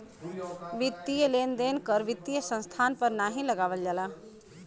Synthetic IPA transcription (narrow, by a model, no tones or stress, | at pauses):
ʋɪt̪ːijəleːnd̪eːnkəɾʋɪt̪ːijəsə̃nst̪ʰaːnpəɾnaːɦĩləɡaːʋəld͡ʒaːlaː